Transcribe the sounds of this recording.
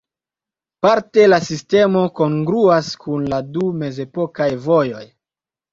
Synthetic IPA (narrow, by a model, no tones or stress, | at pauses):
paɾte̞lasiste̞mo̞ko̞ŋɡɾuaskʰunladume̞ze̞po̞kajvo̞jo̞j